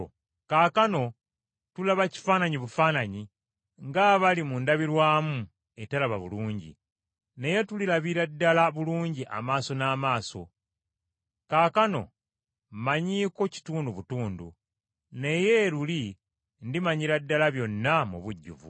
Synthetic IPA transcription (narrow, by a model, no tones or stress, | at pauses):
kaːkano̞ | tulaβaci̥faːnaɲiβufaːnaɲi | ŋɡaβalimundaβiɾwaːmu | e̞talaβa̰βṵluːɲɟḭ | ne̞je̞tulilaβiɾadːalaβuluːɲɟiʔa̰maːso̞naːmaːso̞̰ | kaːkano̞̰ | maɲiːko̞ci̥tuːnduβutuːndṵ | ne̞je̞ɾuli | ndimaɲiɾadːalaβjo̞nːamṵβuɟːṵvṵ